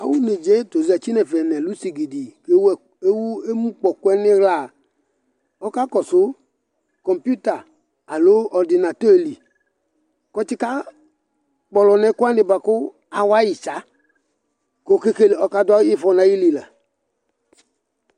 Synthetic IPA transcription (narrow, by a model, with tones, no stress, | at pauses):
a˨˦wu˦ne˨d͡ʒe˨˦to˨zi˨a˨t͡ʃi˦nɛ˨fɛ˨nɛ˨lu˨˦si˨ɡi˨di˨ke˦w | e˦wu˦e˦mũ˦k͡pɔ˨kʊ˦ɛ˦nɪ˦ɣla˨ | ɔ˦ka˦kɔ˨sʊ˨˦ | kɔ˨mpju˦ta˨ | a˨lo˨˦ɔ˨dɪ˨na˨to˦e˨li˨ | kɔ˦t͡ʃɪ˦ka˦ | k͡pɔ˨lɔ˨nɛ˨˦kʊ˦a˦nɪ˨ba˨kʊ˦ | a˨wa˦ji˨t͡ʃa˨˦ | ko˨ke˦ke˦le˨ɔ˦ka˦da˦i˦fɔ˧nã˨ji˦li˨la˨